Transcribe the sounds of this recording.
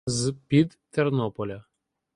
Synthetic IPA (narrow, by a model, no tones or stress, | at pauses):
zpʲid̪t̪ɛrnɔpɔlʲa